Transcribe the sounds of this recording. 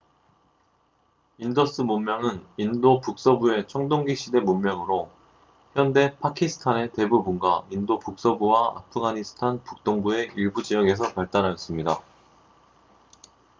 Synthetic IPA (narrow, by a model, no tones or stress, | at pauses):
indʌs͈ɯmummjʌŋɯnindopuk̚s͈ʌbue̞t͡ɕʰʌŋdoŋɡiɕ͈ide̞mumːjʌŋɯɾo | çjʌnde̞pʰakʰisʰɯ̥tʰane̞te̞bubunɡwaindopuk̚s͈ʌbuwaa̰pʰɯɡaɲisʰɯ̥tʰanpuk̚t͈oŋbue̞iɭbud͡ʑijʌɡe̞s̬ʰʌpaɭt͈anɦajʌs͈ɯmɲida